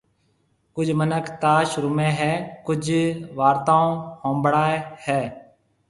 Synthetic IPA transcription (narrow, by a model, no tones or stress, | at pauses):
kʊd͡ʒʱmənəkʰt̪aːʃɾʊmẽːɦɛːkʊd͡ʒʋaːɾt̪aːõːhõːmbɽaːehɛː